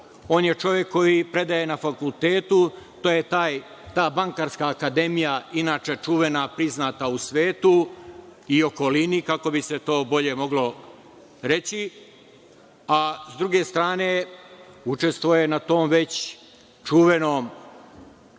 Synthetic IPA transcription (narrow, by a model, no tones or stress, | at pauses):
o̞ːnjet͡ʃo̞ʋje̞kʰːo̞jipɾe̞d̪aje̞nafakult̪e̞ːt̪u | t̪oːjet̪aːj | t̪aːbaŋkaɾskaːkad̪e̞mijainaːt͡ʃe̞t͡ʃuʋe̞napɾiznaːt̪ausʋeːt̪u | io̞ko̞linikako̞bise̞t̪o̞ːbo̞ʎe̞mo̞ɡlo̞ | ɾe̞t͡ɕi | azd̪ɾuɡe̞ːst̪ɾaːne̞ː | ut͡ʃe̞st̪ʋoje̞nat̪o̞ːmʋe̞t͡ɕ | t͡ʃuʋenoːm